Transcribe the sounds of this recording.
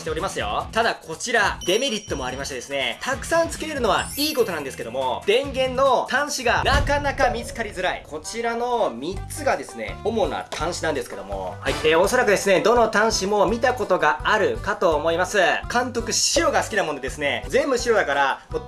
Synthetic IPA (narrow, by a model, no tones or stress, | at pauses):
i̥eɾimasɨjo̞̰t̪ad̪akʰo̞t͡ɕiɾad̪e̞me̞ɾʲit̪ːo̞mo̞aɾʲimaɕit̪ad̪e̞sɨne̞t̪ʰakɯ̟̥sãnt͡sɨ̥ke̞ɾeɾɯ̟no̞βaiːko̞t̪o̞nãnd̪esɨ̥ke̞d̪omo̞d̪̥ẽ̞ŋɡẽ̞nːo̞t̪ãɰ̃ɕiɡanakanakamʲit͡sɨ̥kaɾʲizɨɾaḭkʰo̞t͡ɕiɾano̞mʲit͡sɨɡad̪e̞sɨne̞̰o̞mo̞na̰t̪ʰãɰ̃ɕinãnd̪esɨ̥ke̞d̪o̞mo̞̰haieo̞so̞ɾakɯd̪e̞sɨne̞d̪o̞no̞t̪ãɰ̃ɕimo̞mʲit̪ako̞t̪o̞ɡaaɾɯ̟kat̪o̞ːmo̞imasɨkãnt̪o̞kɯ̟ɕiɾo̞ɡasɨ̥kʲinamo̞nd̪e̞d̪e̞sɨne̞zẽ̞mbɯ̟ɕiɾo̞d̪akaɾamo